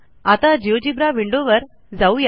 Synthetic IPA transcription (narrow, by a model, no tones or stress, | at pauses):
at̪ad͡ʑiʋd͡ʑibɾaʋiɳɖoʋəɾ | d͡zauja